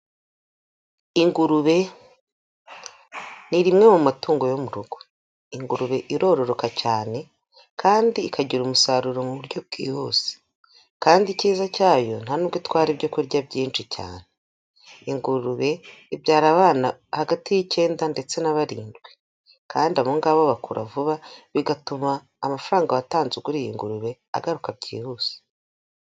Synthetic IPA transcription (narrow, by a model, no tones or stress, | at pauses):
iŋɡuɾuβe̞ | niɾimŋe̞mumatuːŋɡo̞jomuɾuɡ̥o̞̥ | iŋɡuɾuβe̞ʔiɾo̞ːɾo̞ɾo̞kacaːne̞ | kʰaːndiːkʰaɟiɾumusaɾuɾomuβuɾɟo̞b̚ɡḭːhoːse̥ | kaːndiciːzacaːjo̞n̥hanuɡwitwaːɾibɟokuɾɟabɟiːnʃica̰ːn̥e | iŋɡuɾuβe̞ibɟaːɾaβaːnahaɡatijice̞ːndande̞t͡se̞naβaɾḭːndɡwe | kʰaːndiamuŋɡaβaβakṵɾʔa̰vuβaβiɡatumaː | mafaɾaːŋɡaβataːnzukuɾijiŋɡuɾuβe̞ | a̰ɡaɾukab̚ɟḭːhuːse̥